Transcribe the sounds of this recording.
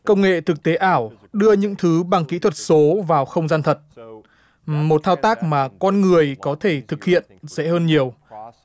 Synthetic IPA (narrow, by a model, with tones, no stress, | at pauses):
kə˧wŋ͡mŋḛ˧˨t̪ʰɨ˨˩k̚t̪e˨˦ʔaː˧˩w | ɗɨ˧əɲɨ̰˧˥ŋt̪ʰɨ˨˦ɓa˨˩ŋkḭ˧˥t̪ʰwə˨˩t̚so˨˦vaː˨˩wxə˧wŋ͡mzaː˧nt̪ʰə˨˩t̚ | mo˨˩t̚t̪ʰaː˧wt̪aː˦˥k̚maː˨˩kɔ˧nŋɨ˨˩əjkɔ˨˦t̪ʰe˧˩t̪ʰɨ˨˩k̚hḭ˧˨ənsɛ̰˧˥həː˧nɲi˨˩əw